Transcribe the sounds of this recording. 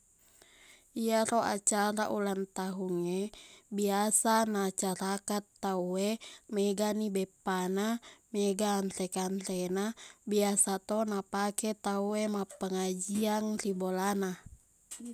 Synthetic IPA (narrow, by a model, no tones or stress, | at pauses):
iaɾoʔa̰t͡ʃaɾaʔulant̪aɦuŋebiasanat͡ʃaɾakat̪ːauemɛɡanibɛpanamɛɡaːnt̪ɛkant̪enabiasat̪ɔnapakɛt̪auemapəŋad͡ʒiaŋribolana